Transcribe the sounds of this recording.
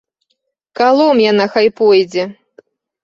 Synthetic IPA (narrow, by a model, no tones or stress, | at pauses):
kalˠɔmjanaxajpɔjd͡zʲɛ